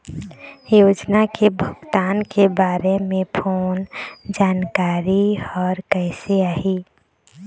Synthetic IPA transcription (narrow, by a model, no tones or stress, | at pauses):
joːd͡ʒnakebʱəɡt̪aːnkebaːɾemẽpʰoːnd͡ʒaːnkaːɾiɔːɾkɛɪseaːɦiː